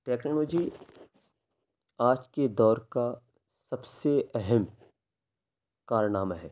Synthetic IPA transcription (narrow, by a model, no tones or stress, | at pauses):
ʈɛːknɔːlɔːd͡ʒi | aːd͡ʒked̪ɔːɾka | sɐbseʔɛɦɛm | kaːɾənaːmaɦɛː